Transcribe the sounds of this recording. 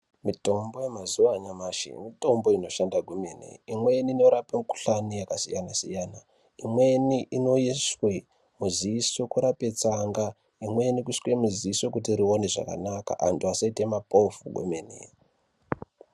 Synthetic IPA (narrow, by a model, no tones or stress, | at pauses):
mito̞mbo̞jemazuwaɲamaʃḭmito̞mbo̞ino̞ʃandaɡʱomenḛimwe̞nino̞ɾapemuku̥ɬanijakasijanasijaːna | imwe̞niʔino̞iswe | muziiso̞kuɾape̞t͡saŋɡa | imwe̞nikuskwe̞muziiso̞kutiɾione̞ʐa̰ka̰naka̰ʔa̰ntuasaite̞mapo̞fuɡʱo̰menḛ